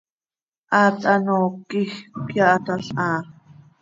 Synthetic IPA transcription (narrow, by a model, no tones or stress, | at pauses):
ʔaːt̪anoːkixkjaʔt̪aɬaː